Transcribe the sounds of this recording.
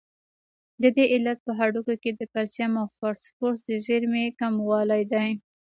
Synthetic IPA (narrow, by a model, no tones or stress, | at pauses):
d̪əd̪eʔɪlːat̪̚pəɦaɖukoked̪əkalsjamafɑɾspoɾsd̪əʒeɾmekamwɑlajd̪aj